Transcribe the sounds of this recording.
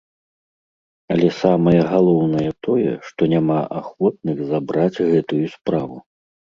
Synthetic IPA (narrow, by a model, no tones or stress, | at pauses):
ɐlʲɛsamɐjɐɣalˠɔwnɐjɛt̪ʰɔjɛ̰ʂt̪ɔnʲamaʔaxvɔt̪̚nɨɣzabɾad͡zʲɣɛt̪ujuspɾavu